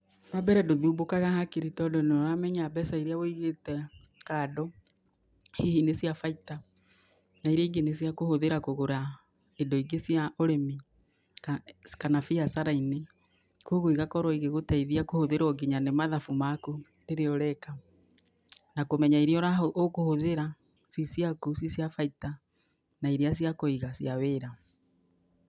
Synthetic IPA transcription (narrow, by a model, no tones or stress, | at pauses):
ɾwabɛɾɛdoðuːbokaɣahakeɾitɔdoneɔɾamɛɲaːbɛsaiɾeawoiɣetɛ | kaːdɔ | hihinesjafaita | naiɾeiɡenes̬jakohoðeɾakoɣoɾa | edoiɡesjaoɾemi | kanafiasaɾaine | koɣoiɣakɔɾwɔiɣeɣotaiðiakohoðeɾɔɡiɲanemaðafumakundeɾeɔɾɛka | nakomɛɲaiɾiɔɾaookohoðeɾa | sisjakusisjafaita | naiɾias̬iakoiɣasjaweːɾa